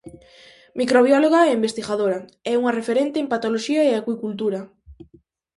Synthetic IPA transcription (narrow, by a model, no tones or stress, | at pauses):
mikɾoβ̞jɔloɣɐɛimbest̪iɣaðoɾɐɛuŋɐrefeɾent̪eempat̪oloʃiɐeakwikult̪̬uɾɐ